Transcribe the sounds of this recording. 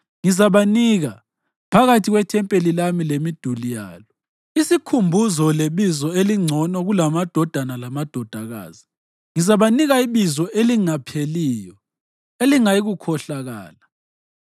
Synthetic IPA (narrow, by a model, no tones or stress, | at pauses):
ŋizaβaniɣa | pʰaɣatʰiɣwɛtʰɛmpʼelilamilemid̥ʱulija̰ːlɔ | isikʰumbʱuzɔleβizɔeliŋ͡ǀʱɔnɔɣulamad̥ʱɔd̥ʱanalamad̥ʱɔd̥ʱaɣa̰ːzi | ŋizaβaniɣaiβizɔʔeliŋapʰeliːjɔ | eliŋajiɣukʰɔɬaɣa̰ːla